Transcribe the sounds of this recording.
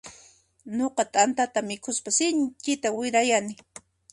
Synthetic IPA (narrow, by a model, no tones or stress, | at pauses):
noqɑt̪ʼant̪at̪amɪkʰʊspasɪɲt͡ʃɪt̪awɪɾajanɪ